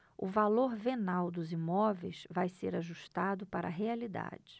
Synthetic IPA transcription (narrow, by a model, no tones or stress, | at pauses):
ʊvaloɾvenawd̪ʊzimɔvejsvajseɾaʒuʃt̪ad̪ʊpaɾɐ̰ɦealid̪a̰d͡ʒɪ̥